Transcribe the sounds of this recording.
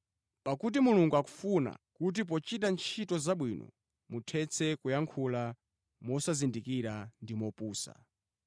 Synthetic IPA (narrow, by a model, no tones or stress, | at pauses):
pakut̬imuluŋɡuaku̥funa̰kut̬ip̬ɔt͡ʃitant͡ʃʰitɔzaɓwinɔ̰ | mutʰɛt͡sʰɛkujaŋkʰula | mɔsazindikiɾandimɔpuːsa̰